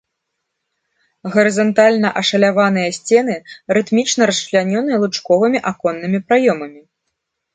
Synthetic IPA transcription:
ɣɐɾɨzɐnt̪alʲnɐʔɐʂɐlʲavan̪ɨjɐsʲt͡sʲɛnɨɾɨt̪mʲit͡ʂnɐɾɐsʂlʲanʲɔnɨjɐlˠut͡ʂkɔvɨmʲiʔakɔnːɨmʲipɾajɔmɐmʲi

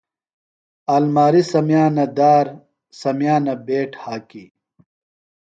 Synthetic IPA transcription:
aːlmaːɾisɐmjaːnɐd̪aːɾ | sɐmjaːnɐbeːʈʰhaːki

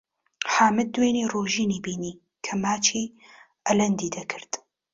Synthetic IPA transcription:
ħaːmɨd̪̚ːweːniːroːʒiːniːbiːniː | kʰɐmaːt͡ʃʰiː | ʔɐlɐnd̪iːd̪ɐkʰɨɾd̪̥

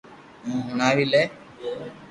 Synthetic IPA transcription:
ũːɦʊnaːʋiːleː

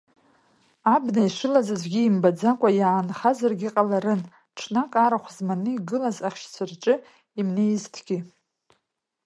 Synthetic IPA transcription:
abnaiʂɨlazazʷɡʲiːmbad͡zakʷʼajaːnχazarɡʲiqʼalaɾɨn | ʈ͡ʂʰnakʼaɾaχʷzmanɨiɡɨlazaχʲʃt͡sʰɨrʈ͡ʂʼɨ | imne̞jztʰɡʲi

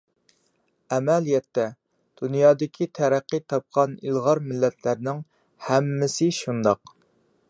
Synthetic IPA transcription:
ɛmɛlijɛt̪ːɛ | d̪̥unjɑːd̪ɪkʲʰit̪ʰɛɾæqːit̪ʰɑp̚qʰɑnilˠʁɑɾmɪlːɛt̪ʰlæɾnɪŋ | hɛmːɪsɪʃund̪ɑq

